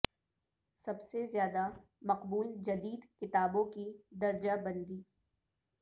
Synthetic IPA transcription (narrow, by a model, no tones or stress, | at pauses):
sɐbsezjaːd̪a | mɐqbuːld͡ʒɐd̪iːd̪kɪt̪aːbõkid̪ɐɾd͡ʒabɐ̃nd̪iː